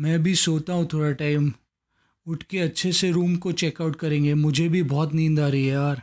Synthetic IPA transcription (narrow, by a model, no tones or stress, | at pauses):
mɛ̃ːbʱisoːt̪aɦũt̪ʰoːɽaʈaːɪm | ʊʈʰkeɐtːʃʰeseɾuːmkot͡ʃeːkaʊʈ̚kɐɾẽːŋɡemʊd͡ʒʱebʱibɔːt̪nĩːnd̪aːɾɐɦiɦɛaːɾ